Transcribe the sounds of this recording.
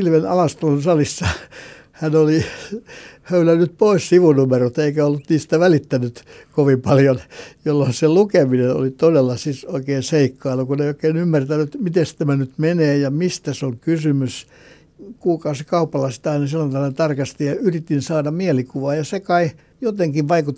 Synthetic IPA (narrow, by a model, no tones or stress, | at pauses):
ilʋenɑ̰lɑst̪olonsɑlisːɑ | hænoli | høylænːyt̪̚poissiʋunumerot̪eikæolːut̪niːst̪æʋælit̪ːænyt̪koʋimpɑljonjolːonselukemineno̰lit̪odelːɑsisoikeːnseikːɑilːɑkuneioˑikeːnymːært̪ænyt̪mit̪est̪æmænyt̪meneːjɑmist̪æsoŋkysymys | kuːkɑsekɑupːɑlɑsi̥t̪æɑinɑselːɑnt̪ɑʋɑnet̪ɑrkɑst̪ijɑyrit̪ːinsɑːdɑmielikuʋɑːjɑsekɑi | jot̪eŋkiʋʋɑikut̪ː